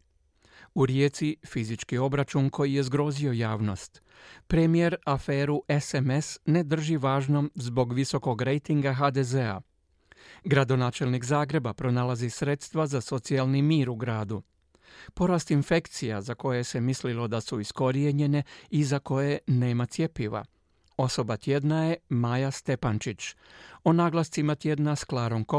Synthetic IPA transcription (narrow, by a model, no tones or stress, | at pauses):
uɾje̞ːt̪sifizit͡ʃkio̞bɾat͡ʃunko̞jije̞zɡɾo̞zio̞jaːʋno̞st̪ | pɾemije̞ɾafe̞ːɾuʔesemesne̞d̪r̩ʒiʋaːʒno̞mzbo̞ɡʋiso̞ko̞ɡɾe̞jt̪iŋɡaɦad̪e̞zea̰ | ɡɾad̪o̞naːt͡ʃe̞lnikzaːɡɾe̞bapɾo̞nalazisɾe̞t̪st̪ʋazaso̞t̪sialnimiːɾuɡɾaːd̪u | po̞ɾaːst̪infe̞kt̪sijazako̞jese̞mislilo̞d̪asuisko̞ɾijeɲe̞ne̞izako̞je̞ne̞ːmat̪sʲje̞piʋa̰ | o̞so̞bat̪je̞d̪naje̞maːjast̪e̞pant͡ʃit͡ʃo̞naːɡlˠast̪imat̪je̞d̪nasklaːɾo̞mko